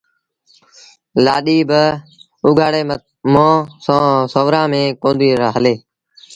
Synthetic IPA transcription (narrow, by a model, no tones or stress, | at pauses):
laːɗiːbə | ʊɡʱaːɽeː | mõːsõːsəʋɾãːmẽːkõːnd̪iːɾəɦəleː